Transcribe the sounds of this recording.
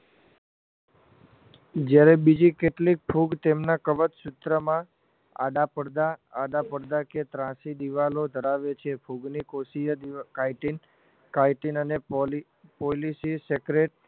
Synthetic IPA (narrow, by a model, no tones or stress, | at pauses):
d͡ʒjaɾebid͡ʒikeʈlik̚pʰuɡt̪emnakəʋət̪ʃʊt̪ɾəmã | a̰ɖapəɽd̪aːɖapəɽd̪aket̪ɾãsid̪iʋalod̪ʱəɾaʋet͡ʃʰepʰuɡnikosijəkajʈin | kajʈinəne | polisisekɾeʈ̚